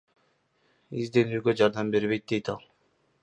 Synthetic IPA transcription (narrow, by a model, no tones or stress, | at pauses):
izd̪e̞nyːɡø̞d͡ʒɑɾd̪ɑmbe̞ɾβe̞jt̪̚d̪e̞jt̪ɑlˠ